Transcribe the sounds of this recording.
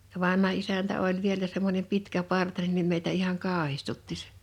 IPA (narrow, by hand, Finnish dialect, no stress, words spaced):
jɑ ʋɑnhɑ isæntæ olʲ ʋielæ semːonʲem pitkæpɑrtɑnen nim meitæ ihɑŋ kɑːhistutːi se̥